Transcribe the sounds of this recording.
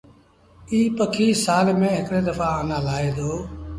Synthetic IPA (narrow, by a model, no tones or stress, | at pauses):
iːpəkʰiːsaːlmẽːɦɪkɽeːd̪əfaːaːnãːlaːeːd̪oː